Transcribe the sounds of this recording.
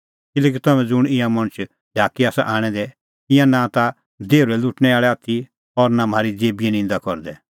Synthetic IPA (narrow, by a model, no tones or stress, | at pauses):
kɪlɛːk̬it̪ɐmɛ̃d͡zʊɽ̃ɪ̃jãmɐɽ̃t͡ʃʰ | laːkiaːsa̰ʔaːɽ̃ɛ̃d̪ɛ | ɪ̃jãnat̪a | d̪eːuɾɛlʊʈñɛaːɭɛaːt̪ʰi | ɔɾnam̤aːɾid͡zeːbiɛnɪ̃nd̪akɔɾd̪ɛ